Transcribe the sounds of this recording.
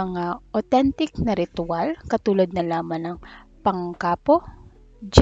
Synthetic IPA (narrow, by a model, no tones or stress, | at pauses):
ɐŋaʔot̪ɛnt̪ɪknɐɾɪt̪ʊalkɐt̪uːlɐd̪̚nɐlaːmɐnɐŋpɐŋkaːpo | d͡ʒ